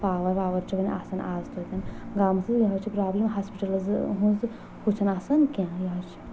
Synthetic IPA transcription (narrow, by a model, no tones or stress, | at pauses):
paːʋɐɾʋaːʋɐɾt͡ʃʰibɐn̰ʲʔa̰ːsɐnaːzt̪ʰut̪ʲɐnɡaːmsɨzjɐɦɐt͡ʃʰipɾaːblʲimɦaːspiʈɐlɨzɨɦũz | kʰut͡ʃʰɐnaːsɐnkʲãjɐɦɐt͡ʃʰi̥